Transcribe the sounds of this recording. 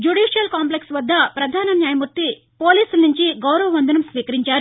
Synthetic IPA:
d͡ʒuɖiːʂijɐlkaːmp̬leksʋɐd̪ːɐpɾɐd̪ʱaːnɐnjaːjɐmuɾt̪ːi | poːliːsulnuɲt͡ʃiɡɐwɾɐʋɐʋɐnd̪ʱɐnɐmsʋiːkɐɾiɲt͡ʃaːɾ

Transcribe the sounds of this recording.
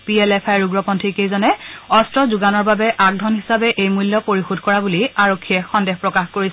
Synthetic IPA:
piɛlɛpʰajɹuɡɹɔpɔntʰikejzɔnɛɔstɹɔzuɡanɔɹbabɛʔak̚dʱɔnɦisabɛʔejmulːjɔpoɹixudʱkɔɹabuliaɹokʰːiɛxɔndɛxpɹɔkaxkoɹis

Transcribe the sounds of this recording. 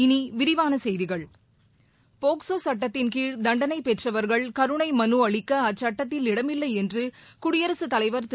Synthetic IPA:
ɪniʋɪɾɪʋaːnɐsɛjðɪɣɐɭ | poːksoːsɐʈːɐt̪ːɪnkiːɻd̪ɐɳɖɐnɐɪpɛʈrɐʋɐɾɣɐɭkɐɾɯɳɐɪmɐnuɐɭɪkːɐɐt͡ʃːɐʈːɐt̪ːɪlɪɽɐmɪlːɐɪɛndrɯkʊɽɪjɐɾɐsɯt̪ɐlɐɪʋɐɾt̪

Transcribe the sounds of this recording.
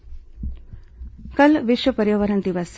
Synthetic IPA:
kɐlʋiʃʋəpɐɾjoʋɐɾɐnt̪iʋas

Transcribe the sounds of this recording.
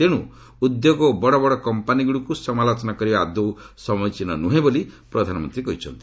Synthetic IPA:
t̪eɽ̃ṵ̃ | ud̪joɡɔbɔɽɔbɔɽɔkɔmpaniɡuɽukusɔmalɔt͡ʃɔnakɔɾibaad̪owsɔmɔjt͡ʃinɔnuɦẽbolipɾɔd̪ʱanɔmɔnt̪ɾikɔɦit͡ʃʰɔnt̪i̥

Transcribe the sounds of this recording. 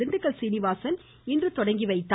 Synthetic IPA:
ɪnɖɯkːɐɭsinɪʋaːsɐn | ɪndrɯt̪ɔɽɐŋɡiʋɐɪt̪ːa

